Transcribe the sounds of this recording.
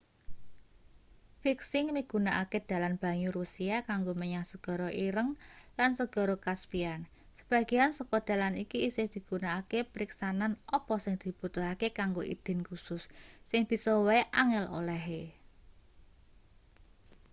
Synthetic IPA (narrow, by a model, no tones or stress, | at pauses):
fiksɪŋmiɡ̥ṳnaʔaked̪̥ä̤lanb̥ä̤ɲuɾusiakaŋɡoməɲaŋsəɡ̥ɔ̤ɾɔʔiɾəŋlansəɡ̥ɔ̤ɾɔkaspian | səb̥aɡ̥i̤ansɔkɔd̪̥a̤lanikiːsɪhd̪̥i̤ɡ̥unaːkepəɾiksananɔpɔsɪŋd̪̥i̤b̥ut̪uhakekaŋɡoʔḭd̪̥ɛ̤nkusʊsːɪŋb̥i̤sɔwaeʔaŋɪlo̰lɛɦe